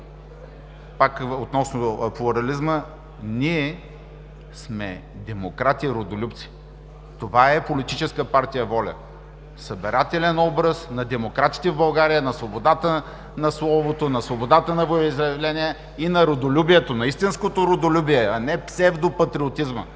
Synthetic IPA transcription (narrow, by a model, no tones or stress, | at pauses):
pakot̪nɔsnoplˠoɾɐlizmə | niɛ | smɛ̰d̪ɛmokɾat̪iɾod̪olʲupt̪si̥ | t̪ovaɛpolit̪it͡ʃɛskəpaɾt̪ijəvɔlʲə̰ | səbɛɾat̪ɛlʲɛnɔbɾəsnɐd̪ɛmokɾat̪i̥t̪ɛvbɐlˠɡaɾijənɐsvobod̪at̪ə | nɐslˠɔvot̪onɐsvobod̪at̪ənɐvoizɾɐvlɛnʲiɛ | inɐɾod̪olʲubiɛt̪onɐist̪inskot̪oɾod̪olʲubiɛɐnɛpsɛvd̪opɐt̪ɾiot̪izmə̰